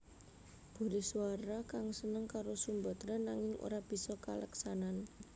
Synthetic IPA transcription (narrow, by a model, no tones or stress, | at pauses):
b̥ṳɾesuaɾakaŋsənəŋkaɾosumbɔ̤t̪ɾɔnaŋɪŋo̰ɾab̥i̤sɔka̰ləksanan